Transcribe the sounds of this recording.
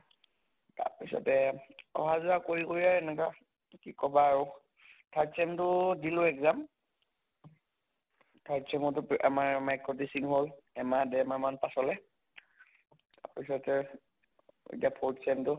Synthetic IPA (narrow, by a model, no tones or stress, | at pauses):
ta̰ɹpisɔ̰tɛɔ̰ɦazuakoɹikoɹiaɹɛnɛka | kikɔbaːɹʊ | tʰaɹtsɛmtʊdilʊɛkzam | tʰaɹtsɛmɔtʊpʔa̰maɹmajkɹodisiŋɦolɛmadɛmaɹmanpasɔlɛ | ta̰ɹpisɔtɛ | ḛtiapʰɔɹtsɛmtʊ